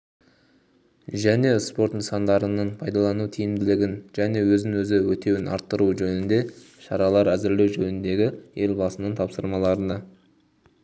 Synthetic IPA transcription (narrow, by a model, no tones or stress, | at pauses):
ʒæne̞spo̞ɾt̪ənsɑnd̪ɑɾənəɴpʰɑjd̪ɑlˠɑnut̪ʰijɪmd̪ɪlɪɡʲɪnʒ̥æne̞wɵznɪŋwɵzɪwɵt̪e̞wɪnɑ̰ɾt̪ːəɾuʒɵnɪnd̪e̞ | ʃɑɾɑlˠɑɾæzɪɾle̞wʒɵnɪnd̪e̞ɡʲɪje̞lʲbɑsənəɴt̪ʰɑpsəɾmɑlˠɑɾənɑ